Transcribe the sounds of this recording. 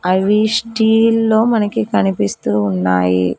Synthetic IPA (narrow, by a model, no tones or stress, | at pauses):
ɐʋisʈiːlːo̞ːmɐnɐkikɐnipist̪uːnːa̰ːjḭ